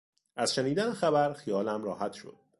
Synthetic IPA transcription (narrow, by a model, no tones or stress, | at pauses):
ʔæz̥ʃeniːd̪ænexæbæɾxijɒːlæmɾɒːhæt̪ʃo̰d̪̥̚